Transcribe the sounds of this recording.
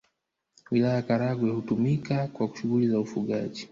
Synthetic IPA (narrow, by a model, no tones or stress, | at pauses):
wilajakaɾaɡwɛhutumikakwaku̥ʃuɣulizaufuɠaʄi